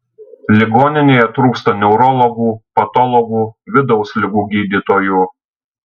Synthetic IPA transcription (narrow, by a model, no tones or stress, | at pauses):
lʲɪɡoːnʲɪnʲeːjɛt̪ɾuːkst̪ɐnʲɛʊɾɔlˠɔɡuːpɐt̪ɔlˠɔɡuːʋʲɪd̪ɔʊsʲlʲɪɡuːɡʲiːd̪ʲit̪oːjuː